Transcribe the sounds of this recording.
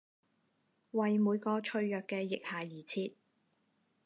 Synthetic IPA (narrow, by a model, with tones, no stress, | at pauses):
wɐ˨jmuː˨˧jkɔː˧t͡ʃʰɵ˧ɥjœː˨kːɛː˧jɪ˨k̚haː˨jiː˨˩t͡sʰiː˧t̪̚